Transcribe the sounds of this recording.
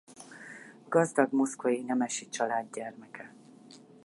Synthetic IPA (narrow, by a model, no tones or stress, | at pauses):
ɡ̥ɒzd̪ɒɡmo̞skojinɛmɛʃit͡ʃɒlaːd̪ɟɛrmɛkʰɛ